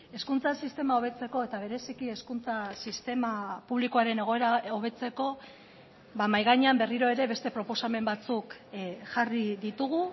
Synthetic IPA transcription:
e̞skunt͡sasist̪e̞mao̞β̞e̞t͡se̞ko̞e̞t̪aβ̞e̞ɾe̞sikie̞skunt͡sasist̪e̞mapuβlikoaɾe̞ne̞ɣ̞oe̞ɾaoβ̞e̞t͡se̞ko̞ | βamajɣaɲeambe̞riɾo̞e̞ɾe̞βe̞st̪e̞pɾo̞po̞same̞mbat͡sukʝariðit̪uɣu

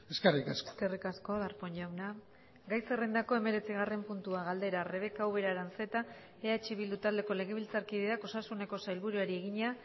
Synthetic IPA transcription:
eskerikasske̞rikasko̞ðaɾpoɲɟawna | ɡajse̞rend̪ako̞e̞me̞ɾe̞t͡siɣare̞mpunt̪uaɣald̪e̞ɾare̞βe̞kawβe̞ɾaɾanse̞t̪a | eat͡ʃiβild̪ut̪ald̪e̞ko̞le̞ɣ̞e̞β̞ilt͡saɾkiðeðako̞sasune̞ko̞sajlβuɾuaɾie̞ɣiɲea

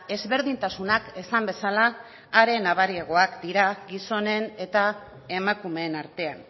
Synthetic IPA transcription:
e̞zβe̞ɾð̞int̪asunakesambe̞salaː | ɾe̞naβ̞aɾiaɣ̞o̞akd̪iɾaɡiso̞ne̞ne̞t̪a | e̞makume̞ːnaɾt̪e̞an

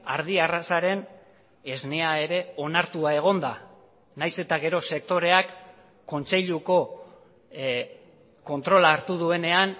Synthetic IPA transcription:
aɾðiarasaɾe̞n | e̞zne̞ae̞ɾe̞o̞naɾt̪uae̞ɣ̞o̞nd̪a | najse̞t̪aɣe̞ɾo̞se̞k̚t̪o̞ɾe̞akː | o̞nt͡se̞ʎuko̞ | ko̞nt̪ɾo̞laːɾt̪uð̞ue̞ne̞an

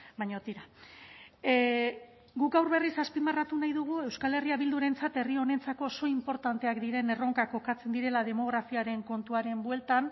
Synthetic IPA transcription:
baɲo̞t̪iɾa | ɡukɡawɾβe̞risaspimarat̪unajðuɣ̞ue̞wskale̞riaβild̪uɾe̞nt͡sat̪e̞rio̞ne̞nt͡sako̞ːso̞impo̞ɾt̪ant̪e̞akd̪iɾe̞ne̞ro̞ŋkako̞kat͡se̞nd̪iɾe̞lað̞e̞mo̞ɣ̞ɾafiaɾe̞ŋko̞nt̪uaɾe̞mbwe̞lt̪an

